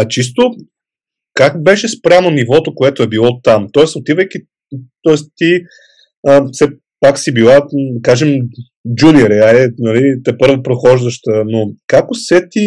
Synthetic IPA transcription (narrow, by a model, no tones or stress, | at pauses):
ɐt͡ʃist̪o | kakbɛʃɛspɾʲamonivɔt̪okoɛt̪oɛbilˠɔt̪amt̪ɔɛsot̪ivəjki | t̪ɔɛst̪i | əfsɛ | paksibilˠad̪ɐkaʒɛm | d͡ʒuniɾɛalɛnɐlit̪ɛpɤɾvopɾoxɔʒd̪əʃt̪ənokakosɛt̪i